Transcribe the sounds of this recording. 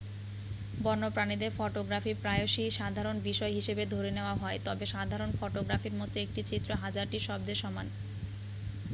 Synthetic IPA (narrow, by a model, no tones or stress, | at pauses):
bɔɾnopɾanid̪eɾfɔʈoɡɾafipɾaeoʃiʃad̪ʱaɾonbiʃɔeɦiʃebed̪ʱoɾeneoaɦɔet̪ɔbeʃad̪ʱaɾonfɔʈoɡɾafiɾmɔt̪oek̚ʈit͡ɕit̪ːɾoɦad͡ʑaɾʈiʃɔb̚d̪eɾʃɔman